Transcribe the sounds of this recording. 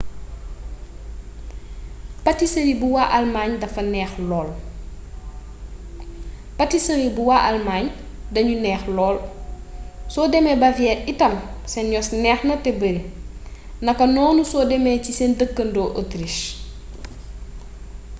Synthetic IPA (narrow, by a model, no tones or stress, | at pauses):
pɐtisɐnibuwaʔɐlmaːɲdɐfɐnɛːxlɔːl | pɐtisɐnibuwaʔɐlmaːɲ | dɐɲunɛːxlɔːl | sɔːdɛmɛbɐvijɛːtitɐmsɛnjɔsnɛːxnɐtɛbəɾi | nɐkːɐnɔːnusɔːdɛmɛcisɛndəkːəndɔːʔotɾiʃ